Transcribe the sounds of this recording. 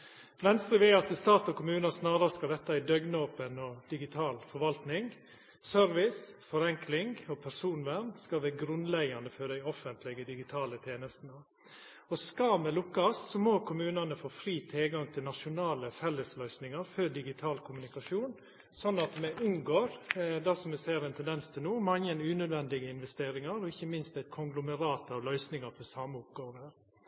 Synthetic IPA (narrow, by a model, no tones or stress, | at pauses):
ʋɛnst̪ɾəʋeːɑt̪ɪst̪ɑːt̪ɔkʰʊmʉːnɑsnɑːɾəɾəskɑd̪ɛt̪ːɑæɪd̪œɡnoːpənɔd̪̥ɪɡɪt̪ʰɑːlfɔɾʋɑlt̪nɪŋ | sœɾʋɪsfɔɾɛŋklɪŋɔpʰæsuːnʋænskɑʋæːɡɾʉnlɛɡɑnd̪əfɔd̪æɪɔfənt̪ʰlɪɡəd̪ɪɡɪt̪ʰɑːlət̪ʰeːnəst̪n̩ə | ɔskɑmɛlʊkːɑssɔmɔkʰʊmʉːnɑnəfoːfɾiːt̪ʰɪlɡɑŋt̪ʰɪlnɑʂʊnɑːləfɛlːəslœʏsnɪŋɑɾfœd̪ɪɡɪt̪ʰɑːlkʰʊmʉnɪkɑʂuːn | sɔnːɑt̪mɛʔʉŋɡoːɾd̪ɛsɔmɛsæːəɾɛnt̪ʰɛnd̪ɛnst̪ʰɪlnuːmɑŋːənʉːnœd̪ʋɛnd̪ɪɡəɪnʋɛst̪eːɾɪŋɑɾɔɪçːəmɪnst̪æɪt̪kʰʊŋɡlʊməɾɑːt̪ɑlœʏsnɪŋɑɾfɔsɑməʊpɡoːʋəɾ